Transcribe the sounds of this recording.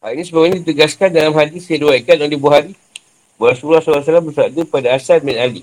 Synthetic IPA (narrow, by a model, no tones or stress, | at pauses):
hainĩsəbaɡɲĩdit̪əɡaskandalamɦadisjaduaikanolehbuaɦaɾi | bulasulasulas̬alambərsap̚dəpadaasad̚mɛnali